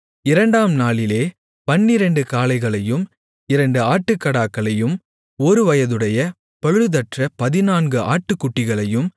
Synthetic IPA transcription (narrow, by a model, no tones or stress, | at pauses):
ɪɾɐɳɖaːmnaːɭɪleː | pɐnːɪɾɐɳɖɯkaːlɐɪɣɐɭɐjɯm | ɪɾɐɳɖɯaːʈːɯkːɐɽaːkːɐɭɐjɯm | ɔɾɯʋɐjɐðɯɽɐjɐ | pɐɻɯðɐʈrɐpɐðɪnaːnɡɯʔaːʈːɯkːʊʈːɪɣɐɭɐjɯm